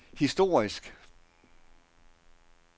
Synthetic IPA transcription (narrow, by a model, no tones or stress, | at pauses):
hisd̥o̝ːɐ̰isɡ̥